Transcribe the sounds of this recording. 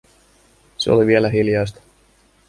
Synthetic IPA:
seo̰liʋielæɦiljɑjst̪ɑ̥

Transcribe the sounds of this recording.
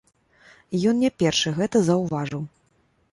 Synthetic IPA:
jɔnnʲɛpʲɛrʂɨɣɛt̪ɐzɐwvaʐɨw

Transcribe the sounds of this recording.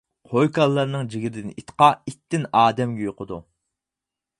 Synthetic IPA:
qʰojkʰɑlˠːɑɾnɨŋd͡ʒiɡʲiɾɪd̪ɪnit̪qɑit̪ːɪnɑːd̪ɛmɡʲɛjoqʰəd̪ṵ

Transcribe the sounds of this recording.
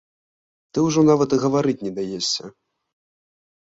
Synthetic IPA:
t̪ɨwʐɔnavɐt̪ɨɣɐvaɾɨt͡sʲnʲɛd̪ajɛssʲɐ

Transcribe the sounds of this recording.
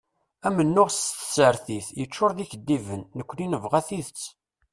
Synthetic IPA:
æmənːʊʁsθsəɾθiθjət͡ʃːʊɾðiçəd̪ːivənːəkʷːəninəvʁæθiðət͡sː

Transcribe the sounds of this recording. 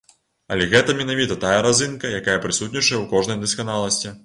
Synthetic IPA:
ɐ̰lʲɛɣɛt̪ɐmʲɛnavʲit̪ɐt̪ajɐɾazɨnkɐjakajɐpɾɨsut̪ʲnʲit͡ʂɐjɛwkɔʐnɐjd̪ɐskanalˠɐsʲt͡sʲi

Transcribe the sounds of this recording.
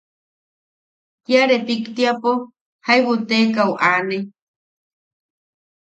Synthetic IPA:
tjaɾepikt̪iapo | hajβut̪ekawʔane

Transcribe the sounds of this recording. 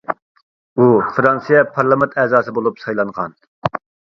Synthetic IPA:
ufɾɑnsijɛpʰɑɾlˠɑmɪnt̪ʰɛzɑːsɨbolˠupsɑjlˠɑnʁɑn

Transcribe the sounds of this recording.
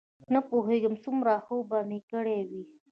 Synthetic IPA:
napoɦeɡəmsumɾaxəwbamikəɽewi

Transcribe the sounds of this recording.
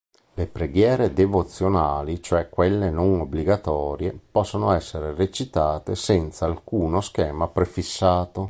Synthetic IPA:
lepɾeɡjɛːɾed̪evot̪sːjonaːlit͡ʃoɛkːwelːenoŋobliɡat̪ɔːɾjepɔsːonoɛsːeɾeret͡ʃit̪aːt̪esɛnt̪saːlkuːnosk̟ɛːmapɾefisːaːt̪o

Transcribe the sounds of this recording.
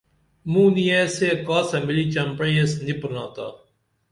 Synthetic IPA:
mũːnijesekaːsɐmiliːt͡ʃɐmpɽeesnipɾnaːt̪a̰ː

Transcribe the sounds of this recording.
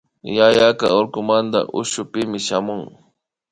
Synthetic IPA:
jajaka̰oɾkʊmand̪a̰ʔʊ̰ʃʊpɪmɪʃamʊŋ

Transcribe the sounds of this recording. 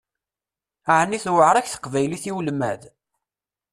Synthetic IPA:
ʕnːiθwəʕɾˤæçθə̥qvæjliθiwlmæð

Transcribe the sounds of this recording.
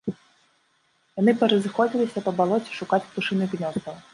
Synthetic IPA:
janɨpɛɾɐzɨxɔd͡zʲilʲisʲɐpɐbalˠɔt͡sʲi̥ʂukat͡sʲt̪uʂɨnɨknʲɔzd̪ɐw

